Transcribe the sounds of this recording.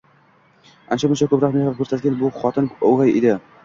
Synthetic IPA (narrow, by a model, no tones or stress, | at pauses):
ant͡ʃʰabʊnt͡ʃʰakʰɵpɾɒqmehap̚kʰɵɾsat̪̚ɡʲanbʊχɒt̪ʰɪnoʁajɪd̪e